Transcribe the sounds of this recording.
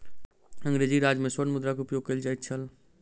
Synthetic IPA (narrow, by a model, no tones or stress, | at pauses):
ə̃ŋɡɾeːd͡ʒiɾaːd͡ʒmẽsənmʊd̪ɾakʊpjoːɡ̚kəld͡ʒaːjt̪̚t͡ʃʰəl